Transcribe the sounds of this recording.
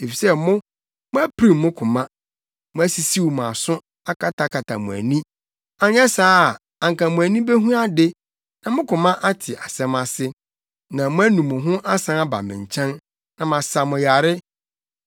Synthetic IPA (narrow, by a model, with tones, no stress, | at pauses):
e˨fi˨sɛ˦mʊ̃˦ | mʊ̃˦æ˦pʰɾi˨mmʊ̃˦kʰʊ̃˨mã˦ | mʊ̃˦æ˦si˨si˦wmã˨sʊ̃˦ | a˦kʰa˨tʰa˨kʰa˨tʰa̰˨mʊ̃˨æ̰˨nĩ˦ | a˨ɲ˦ɛ˦saː˦˨ | a˨ŋ˨kã˨mʊ̃˨æ˨nĩ˦be˦ɦũ˦a˦dɪ˦ | nã˨mʊ̃˦kʰʊ̃˨mã˦ʔa˦tʰɪ˨ʔa˨sɛ̃˦ma˦sɪ˦ | nã˨mʊ̃˦æ˦nũ˨mʊ̃˨ɦʊ̃˦ʔa˦sã˦a˦ba̰˨mɪ̃˨ɲ˨t͡ɕʰɛ̃˦n | nã˨mã˨sa˨mʊ̃˨ja˨ɾɪ˦